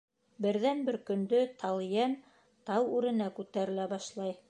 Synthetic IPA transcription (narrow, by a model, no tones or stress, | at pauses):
bɘ̆ɾðænbɘɾkɵ̆nd̪ɵt̪ʰɑlˠjen | t̪ɑwʉɾɘ̆nækʉt̪æɾɘ̆læbɑʃlˠɑj